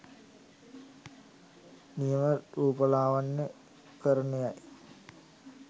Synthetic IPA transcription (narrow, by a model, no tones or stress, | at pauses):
nijəməɾuːpəlaːʋanːə | kəɾənejaj